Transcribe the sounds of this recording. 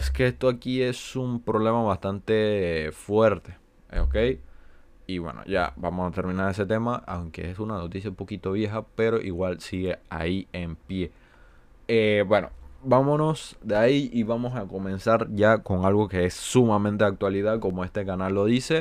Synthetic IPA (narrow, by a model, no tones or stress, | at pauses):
eske̞est̪oakie̞sumpɾo̞βle̞maβast̪ant̪e̞fwe̞ɾt̪e̞̥ | oke̞j | iβwe̞̰no̰ʝa̰bamo̞sat̪e̞ɾmĩnaɾe̞s̬e̞t̪e̞maʔa̰wŋke̞̰esunano̞t̪isjaupo̞kit̪o̞β̞je̞xape̞ɾo̞ʔiɣwalsiɣe̞a̰iempje̞ | ebwe̞no̞̰bamo̞no̞sd̪eaiiβamo̞sako̞mẽ̞nsaɾʝako̞ŋalɣo̞ke̞esːumãmẽnt̪e̞ak̚t̪waliðaðko̞mo̞e̞st̪e̞kanalːo̞ðise̞